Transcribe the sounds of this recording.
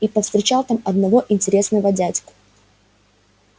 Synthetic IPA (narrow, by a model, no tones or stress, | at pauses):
ipəfst̪ɾʲɪt͡ɕalˠt̪amɐd̪nɐvo̞ʔɪnʲtʲɪɾʲe̞snəvədʲædʲk